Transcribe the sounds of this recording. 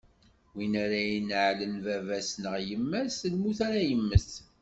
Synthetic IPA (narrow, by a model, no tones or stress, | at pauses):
winæɾæjinʕlənvævæsnəʁjəmːæsəlmuθaɾæjəmːəs